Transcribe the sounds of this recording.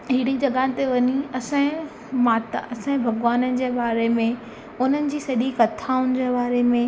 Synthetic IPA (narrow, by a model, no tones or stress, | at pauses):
ɦɪɽĩd͡ʑɐɡãːt̪eʋɐɲiɐsã | maːt̪a̰ɐsãbʱɐɡʋaːnənɪ̆d͡ʑeːɓaːɾemẽ | ʊn̤ənɪ̆d͡ʑiːsɐʄikɐt̪ʰaːʊnɪ̆d͡ʑeːɓaːɾemẽ